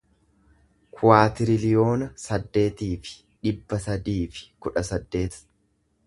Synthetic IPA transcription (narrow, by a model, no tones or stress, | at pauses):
kʰʊwaːt̪ɪɾɪlɪjo̞ːnɐsɐd̪ːe̞ːt̪iːfɪ̥ | ᶑɪbːɐsɐd̪iːfɪ̥kʊᶑɐsɐd̪ːe̞ːt̪